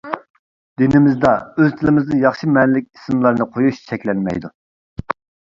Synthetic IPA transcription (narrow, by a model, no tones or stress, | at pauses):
d̪̥ɪnɪmɪzd̪ɑøzt̪ʰɪlɪmɪznɨjɑχʃimɛnlɪk̚ʲi̥smlˠɑɾnɨqʰojuʃt͡ʃʰɛkʲlɛnmɛ̰jd̪u